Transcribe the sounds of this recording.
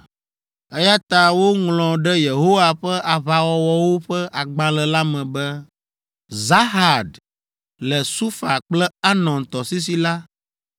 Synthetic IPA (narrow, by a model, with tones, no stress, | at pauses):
ɛ˦ja˦t̪a˨wo˦ŋlɔ̃˨ɖɛ˦je˨ɦo˦wa˨ɸɛ˦ʔa˨βa˨wɔ˨wɔ˦wo˦ɸɛ˦ʔa˨ɡ͡bã˦lɛ˨la˦mɛ̃˨bɛ˦ | za˦ɦa˨d̪ | lɛ˨su˦fa˨k͡plɛ˦a˦nɔ̃˨nt̪ɔ˨si˦s̬i˦la˦